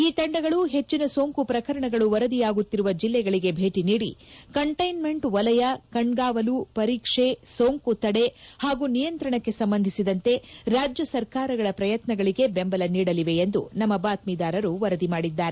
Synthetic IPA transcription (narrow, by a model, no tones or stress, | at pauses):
iːt̪ɐɳɖɐɡɐɭuɦe̞t͡ʃːinɐsoːŋkupɾɐkɐɾɐɳɐɡɐɭuʋɐɾɐd̪ijaːɡut̪ːiɾuʋɐd͡ʒilːɛɡɐɭiɡe̞bʱe̞ːʈiniːɽḭkɐɳʈɐjnme̞ɳʈʋɐlɐjɐkɐɳɡaːʋɐlupɐɾiːkʂe̞soːŋkut̪ɐɽe̞haːɡuːnijɐnt̪ɾɐɳɐkːe̞sɐmbɐnd̪ʱisid̪ɐnt̪e̞ɾaːd͡ʒjɐsɐɾkaːɾɐɡɐɭɐpɾɐjɐt̪nɐɡɐɭiɡe̞bembɐlɐniːɽɐliʋe̞end̪unɐmːɐbaːt̪miːd̪aːɾɐɾuʋɐɾɐd̪imaːɽid̪ːaːɾe